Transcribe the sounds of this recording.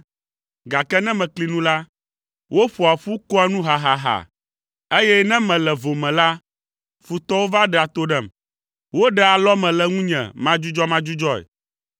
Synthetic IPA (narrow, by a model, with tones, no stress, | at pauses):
ɡa˨kɛ˦nɛ̃˦mɛ̃˨kli˨nũ˦la˦ | wʔo˦ɸo˨a˨ɸu˦kɔ˦a˦nũ˦ɦa˨ɦa˨ɦa̰˨ | e˦jɛ˦nɛ̃˦mɛ̃˨lɛ˨vo˨mɛ̃˨la˦ | fu˨t̪ɔ˦wo˦va˦ɖɛ˨a˨t̪o˦ɖɛ˨m | wo˦ɖɛ˦a˨lɔ˦mɛ̃˨lɛ˦ŋũ˦ɲɛ̰̃˨mã˦d͡ʒu˦d͡ʒɔ˦mã˦d͡ʒu˦d͡ʒɔ˦ḛ˨